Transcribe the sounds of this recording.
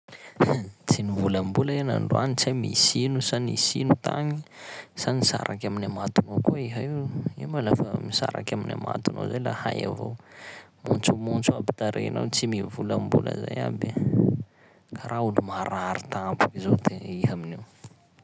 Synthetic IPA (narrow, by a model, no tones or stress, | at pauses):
t͡sinivulambulaena̰ɳɖ͡ʐuanit͡sajmḭsinusanisinut̪aɲisanisa̰ɾʔakʲaminamat̪unokuiɦaiwimalafəmisaɾakʲaminama̰t̪uno̰zajlahaja̰vo̰w | mont͡sumunt͡suabit̪aɾʔḛnawt͡simivulambulə̰zaja̰bi | kʰaɾaulumaɾaɾit̪apu̥kizod̪eiɦaminiw